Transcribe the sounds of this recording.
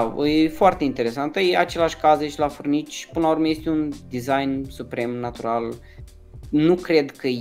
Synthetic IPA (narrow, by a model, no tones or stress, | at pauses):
jefoart̪e̞int̪e̞ɾe̞sant̪əjeat͡ʃe̞laʃʲkazeʃlafurnit͡ʃʲpɨnəlaurmeje̞st̪eund̪izajnsupɾe̞mnat̪uɾal | nukɾe̞d̪kə